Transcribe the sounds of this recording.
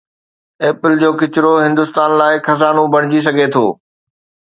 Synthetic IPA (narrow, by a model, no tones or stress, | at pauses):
eːpɪld͡ʑoːkɪt͡ɕɪɾoɦɪ̃nd̪ʊst̪aːnlaːɪkʰɐzaːnobɐɽ̤̃ɪd͡ʑis̬ɐɡʱet̪ʰo̰ː